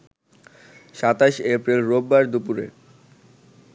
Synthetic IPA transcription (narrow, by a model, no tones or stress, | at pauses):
ʃat̪aʃepɾilɾobːaɾd̪upuɾḛ